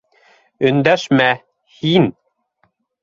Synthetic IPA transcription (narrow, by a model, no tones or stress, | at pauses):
ɵ̆nd̪æʃmæ | hin